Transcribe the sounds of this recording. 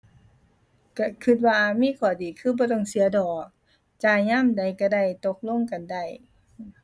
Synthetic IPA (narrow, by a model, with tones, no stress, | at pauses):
ka˧˩kʰɯ˧t̪̚waː˧miː˧˥˨kʰɔː˧˩diː˨˩kʰɯː˧˥˨bɔː˧˦t̪ɔː˧˩˨ŋsi˨˦ɐ˦dɔː˨˩k̚ | t͡ɕaː˧˩ɲaː˧˥˨mda˨˩jka˧˩da˧˩jt̪o˧˦k̚lo˧˥˨ŋka˨nda˧˩j